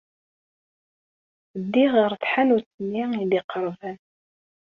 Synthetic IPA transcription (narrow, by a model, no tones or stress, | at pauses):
əd̪ːiʁəɾθħanuɾt͡s̪ːənːiiðiqəɾˤvæn